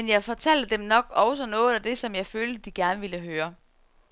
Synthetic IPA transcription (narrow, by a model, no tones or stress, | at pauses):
enjɑ̈ɪfɒ̽t͡sʰæl̰d̥əd̥emnɒ̽ɡ̥ɒʊsɒ̽nɔ̽ːð̩ˠæd̥e̝sɒ̽mjɑ̈ɪføːld̥əd̥iɡ̥æɐnəʋiləɦøːɐ